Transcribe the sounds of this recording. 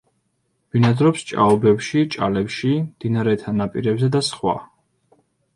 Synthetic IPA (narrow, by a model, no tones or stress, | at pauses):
binad̪ɾɔpst͡ʃʼa̰ɔbɛpʃit͡ʃʼa̰lɛpʃimd̪̥inaɾɛt̪ʰanapʼḭɾɛbzɛd̪asχwa̰